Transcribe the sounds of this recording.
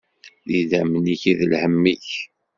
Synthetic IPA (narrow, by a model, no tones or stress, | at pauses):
ðiðæmniçiðəlhəmːiç